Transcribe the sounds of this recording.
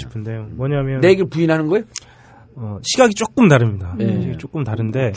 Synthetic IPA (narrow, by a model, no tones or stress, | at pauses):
ɕʰi̥pʰɯndejomwʌɲamjʌne̞ɡeɭpuinɦanɯnɡʌejo | ʌɕʰiɡaɡit͡ɕ͈ok͈ɯmtaɾɯmɲidaeiaɡit͡ɕ͈ok͈ɯmtaɾɯnde̞